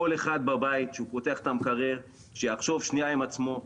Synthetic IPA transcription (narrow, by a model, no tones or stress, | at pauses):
oleχad̪̚babait̪ʃeupot̪eaχt̪amkaʁeʁ | ʃejaχʃo̞vʃniaimat͡smo̞